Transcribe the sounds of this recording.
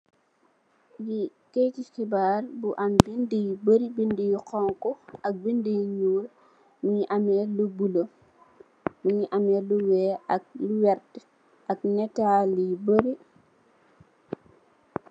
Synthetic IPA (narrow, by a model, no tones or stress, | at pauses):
jikejtixibaːrbuʔɐmbindəjibəɾibindijiqɔŋkɔɐk̚bindəjiɲuːl | muɲiʔɐmɛlubulo | muɲiʔɐmɛːluwɛːɐk̚luwɛɾt | ɐk̚nɛtaːljibəɾi